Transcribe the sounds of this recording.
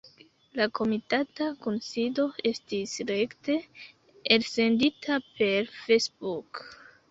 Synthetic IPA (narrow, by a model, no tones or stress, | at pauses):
lakʰo̞mitatakonsido̞e̞stisɾekte̞ | else̞nditʰape̞ɾfesbuk